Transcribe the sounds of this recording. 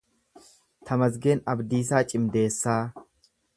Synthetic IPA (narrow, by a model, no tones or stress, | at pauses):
t̪ʰɐmɐzɡe̞ːnɐbd̪iːs̬aːt͡ʃʼɪmd̪e̞ːsːaː